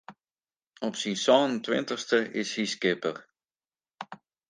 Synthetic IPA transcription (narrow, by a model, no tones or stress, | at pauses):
ɔpsisɔntʋɪ̰ntəχstəʔɪshiskɪpə̰r